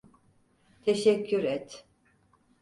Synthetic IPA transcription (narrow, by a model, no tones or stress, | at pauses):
t̪ʰeʃɛcʰːyɾɛt̪